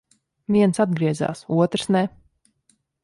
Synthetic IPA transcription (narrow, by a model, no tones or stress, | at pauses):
vʲiɛnsad̪̚ɡɾiɛza̰ːsuɔt̪ɾsnɛ